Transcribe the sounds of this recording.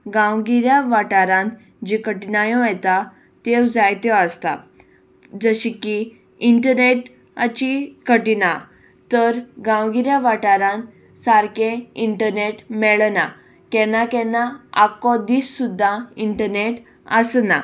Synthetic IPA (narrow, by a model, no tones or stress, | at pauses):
ɡãwɡiɾjaʋaʈaɾãnt̪ | d͡ʑikəʈinajɔ̃ajt̪a | t̪ewd͡zajt̪jɔəst̪a̰ | d͡zəɕiki | iɳʈəɾneʈ | at͡ɕikəʈina | t̪əɾɡãwɡiɾjaʋaʈaɾãnt̪ | saɾkẽiɳʈəɾneʈmɛɭna | kɛnakɛnaakɔd̪iːsːud̪ʱːaiɳʈəɾneʈ | əsna̰